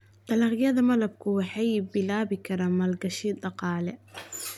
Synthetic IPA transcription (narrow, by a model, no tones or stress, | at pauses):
d̪ɐlɑqjɐðɐmɐlɐb̚kʰʊwɑħɑjbɪlaːβɪkʰɐɾaːmɐlɡɐʃiːdɑqɑːlɛ